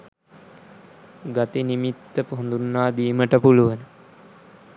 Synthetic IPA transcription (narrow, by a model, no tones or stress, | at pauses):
ɡat̪inimit̪ːəpoɦnd̪unːaːd̪iːməʈəpuluʋənə